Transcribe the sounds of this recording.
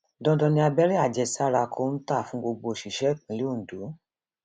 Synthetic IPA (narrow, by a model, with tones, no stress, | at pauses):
dɔ̃˧dɔ̃˧nĩ˧a˧bɛ˦ɾi˦a˦˨d͡ʒɛ˧˨sa˦ɾa˧kʰo˧˦n̩˦ta˦˨fũ˨˦ɡ͡bo˧ɡ͡bo˧˨ʃi˨ʃɛ˨˦˨k͡pĩ˨˦li˦o˦˨n̩˨du˨˦